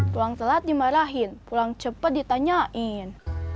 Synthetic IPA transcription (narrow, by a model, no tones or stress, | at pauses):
pulaŋsəlat̪̚dimaɾaɦinpulaŋt͡ʃəpət̪̚dit̪aɲaʔin